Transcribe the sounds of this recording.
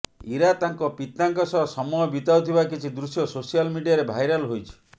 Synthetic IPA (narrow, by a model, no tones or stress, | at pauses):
iɾat̪aŋkɔpit̪aŋkɔsɔɦɔsɔmɔjɔbit̪awt̪ʰibakit͡ʃʰid̪ɾusjɔsosijalmiɖijaɾebʱajɾalɦojt͡ʃʰi̥